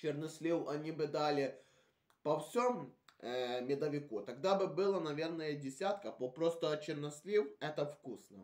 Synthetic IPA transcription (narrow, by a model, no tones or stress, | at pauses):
t͡ʃɪrnɐsʲlʲiwɐnʲibɨd̪alʲɪ | pɐwsʲom | mʲɪd̪ɐʋʲɪkut̪ɐɡd̪abɨbɨlˠɐnɐvʲe̞rnəjədʲɪsʲat̪kɐpopɾost̪ɐt͡ɕɪrnɐsʲlʲiwɛt̪ɐfkusnə